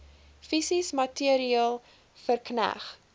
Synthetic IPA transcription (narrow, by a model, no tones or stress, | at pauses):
fisismɐtiəɾiəlˠ | fərknæ̰χ